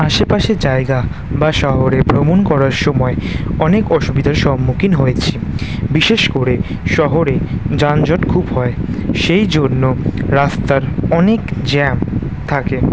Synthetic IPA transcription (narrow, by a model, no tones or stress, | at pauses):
aʃepaʃed͡ʑaeɡa | baʃɔɦoɾebɾomonkɔɾaɾʃɔmɔeɔnekɔʃubid̪ʱaɾʃɔmːukinɦojet͡ɕʰibiʃeʃkoɾe | ʃɔɦoɾed͡ʑand͡ʑɔʈkʰubɦɔeʃejd͡ʑonːoɾast̪aɾɔnekd͡ʑɛm | t̪ʰake